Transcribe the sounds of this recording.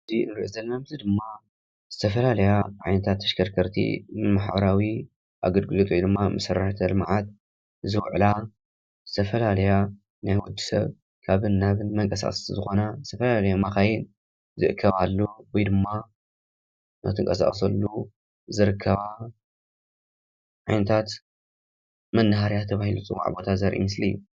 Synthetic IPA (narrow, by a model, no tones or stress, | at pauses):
ɨziɨ̰nɾiʔozɐlmɐmt̪ʰɨd̪ɨmːa | z̥ɨt̪ʰɐfɐlalɐjaʕa̰jnɐt̪ʰat̪ʰːɐ̥ʃkʰɐɾkʰɐɾt̪ʰḭmaħbɐɾawi | ʔa̰ɡɐlɡɨlot̪ʼujd̪ɨmːamɐsɐrːaħt̪ʰɐlmaʕat̪̚ | zɨwʕla | zɨt̪ʰɐfɐlalɐja | najwɔd͡ʒːi̥sɐ̰β | kʰaβɨnːaβɨnmɐŋkʼɐsa̰χʼsszɨxo̞nazɨ̥t̪ʰɐfɐlalɐjamaxajɪn | zɨʔɨkʰːɐβalːuwɔjd̪ɨmːa | na̰t̪ʰɨŋkʼɐsa̰χʼs̬ɐlːu | zɨɾɨkʰːɐβa | ʕajnɐt̪ʰat̪ | mɐnːaɦaɾjat̪ʰɐβahilusʼɨwa̰ʕbot̪ʰazɐɾʔḭmɨslḭu